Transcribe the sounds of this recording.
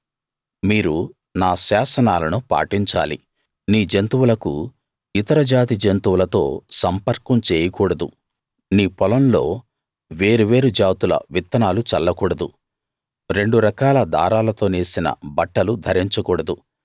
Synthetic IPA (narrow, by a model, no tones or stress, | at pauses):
miːɾu | naːʃaːsɐnaːlɐnupa̰ːʈiɲt͡ʃa̰ːli | niːd͡ʒɐnt̪uwulɐkṵ | it̪ɐɾɐd͡ʒaːt̪id͡ʒɐnt̪uwulɐt̪o̞ːsɐmpɐɾkɐmt͡ʃeːjɐkuːɽɐd̪u | niːpɔlɐnlo̞ː | ʋe̞ːɾuʋeːɾud͡ʒaːt̪ulɐ̰ʋit̪ːɐnaːlut͡ʃɐlːɐkuːɽɐd̪u | ɾe̞ɳɖuɾɐkaːlɐd̪ʱa̰ːɾaːlɐt̪o̞ːneːsinɐ̰bɐʈːɐlud̪ʱɐɾiɲt͡ʃɐkuːɽɐd̪u